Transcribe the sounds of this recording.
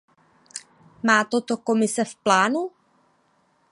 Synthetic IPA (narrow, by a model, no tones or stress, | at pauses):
maːt̪ot̪o̞ko̞mɪsɛfplaːnu